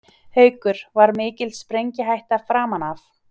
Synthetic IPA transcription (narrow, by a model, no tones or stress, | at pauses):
hœːɥkʏɾ̥vaɾmɪːcɪlspɾejɲcɪɦajht̪afɾaːmanaf